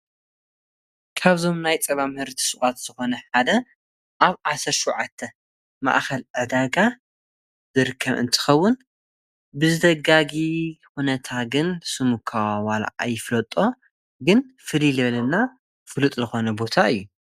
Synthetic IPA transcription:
kʰaβzo̞mnajt͡sʼɐβamɨhɨɾt̪ʰi̥sɨχʼat̪z̥ɨxo̞nɐħad̪ɐ | ʔaβʕasɐɾʃuwʕat̪ʰːɐ | ma̰ʔxɐlʕɨd̪aɡa | z̥ɨɾɨkʰːɐβɨ̰nt̪ʰɨ̥xɐwːʊn | bɨzɨd̪ɐɡaɡixunɐt̪ʰaɡɨnsɨmukʰawwala̰ʔa̰jɪflɐt̪ʼo̞ | ɡɨnfɨlilɨβɐlɐnːa | fɨlut̪ʼzɨxo̞nɐbo̞t̪ʰaɨjːu

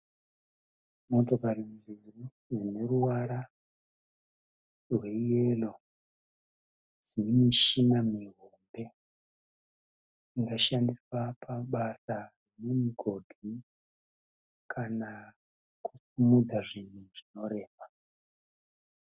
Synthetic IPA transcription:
mo̞to̞karimd͡ziru | jene̞ruwaɾa | rwe̞jelo | z̥inimiʃinamiɦombe̞ | iŋɡaʃandiswapʰaɓasarinemiɡʱo̞dʱi | kʰana | kusumud͡zaʐinuʐ̥ino̞ɾe̞ːʋa

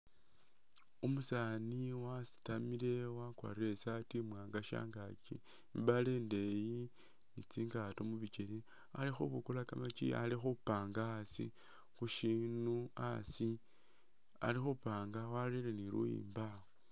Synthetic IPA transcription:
umusaniwasi̥tamilewakwa̰ɾesatimwaːŋɡaʃa̰ːŋɡat͡ʃi | mbaleːnde̞ji | nit͡siːŋɡatomuβiceli | alixuβukulakamat͡ʃḭa̰lixupaːŋɡaːsḭ | xuʃinua̰si | a̰lixupaːŋɡawaleleniɾṵjḭːmbao

